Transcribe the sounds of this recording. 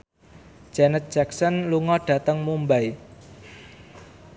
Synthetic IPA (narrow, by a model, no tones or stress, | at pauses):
d̥d͡ʒ̥ɛnət̪̚d̥ʒ̥ɛksɔnluŋɔɖ̥ä̤t̪əŋmumbaj